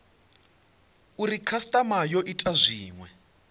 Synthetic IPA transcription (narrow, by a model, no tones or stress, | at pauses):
urikʰastʼamajɔʔitʼazʷiːŋwɛ